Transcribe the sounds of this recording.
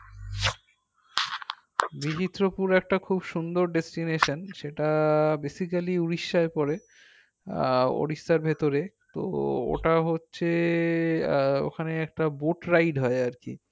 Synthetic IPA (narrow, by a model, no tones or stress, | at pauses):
biɦit̪ːɾopuɾɛk̚ʈakʰubʃund̪oɾɖesʈineʃanʃeʈabesikaliuɾiʃːaepɔɾe | o̰ɽiʃːaɾbʱet̪oɾet̪o̰o̰ʈaɦotːɕʰe | o̰kʰaneɛk̚ʈaboʈɾajɖɦɔeaɾkḭ